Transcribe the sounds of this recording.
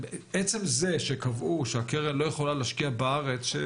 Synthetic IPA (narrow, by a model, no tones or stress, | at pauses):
beʔet͡se̞mze̞ʃekavʔuʃeakeʁenlo̞jeχo̞laleʃkiabaaʁet͡sʃe